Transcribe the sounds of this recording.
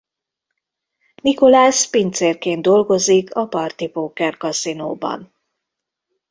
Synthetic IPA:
niko̞laːspint̪seːrkeːnd̪o̞lɡo̞zikʰɒpɒrt̪ipoːkɛrkɒsino̰ːbɒ̰n

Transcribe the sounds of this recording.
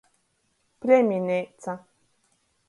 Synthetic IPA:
pɾeminet͡sa

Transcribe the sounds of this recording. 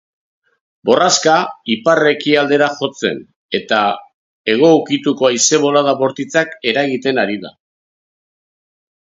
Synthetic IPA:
bo̞raskaipare̞kiald̪e̞ɾaxo̞t͡se̞̰n | e̞t̪a | e̞ɣ̞o̞uwkit̪uko̞ajse̞βo̞laðaβo̞ɾt̪it͡sake̞ɾaɣit̪e̞naɾiða̰

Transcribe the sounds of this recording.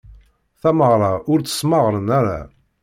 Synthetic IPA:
θæməʁɾˤɑʊɾt͡sə̥sməʁɾənæɾæ̰

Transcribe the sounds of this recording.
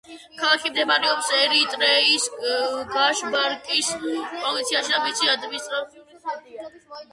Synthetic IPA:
kʰalakʰimd̪ɛbaɾiɔpsɛɾit̪ʼɾɛisɡaʃbaɾkʼispʼɔlit̪sʰiaʃid̪amit̪sʰiad̪bist̪ʼa

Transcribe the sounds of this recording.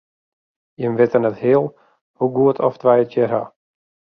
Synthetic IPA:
jəmʋɪtənəthɪəlˠ | huɡuətʰɔ̰ftʋɛjətjəra̰

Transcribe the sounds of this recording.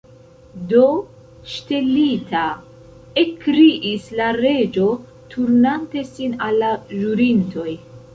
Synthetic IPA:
do̞ | ʃte̞litʰa | ekɾiʔislaɾe̞d͡ʒo̞ | tʰuɾnante̞sinalːaʒuɾintʰo̞j

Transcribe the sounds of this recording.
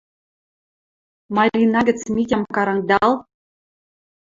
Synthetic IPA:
mɑlʲinɑɡʲɘ̆t͡smʲit̪ʲɑmkɑɾɑŋd̪ɑlˠ

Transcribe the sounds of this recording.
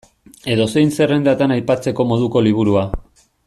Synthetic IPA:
e̞ðo̞se̞jnse̞re̞nd̪at̪anajpat͡se̞ko̞mo̞ð̞uko̞liβ̞uɾua

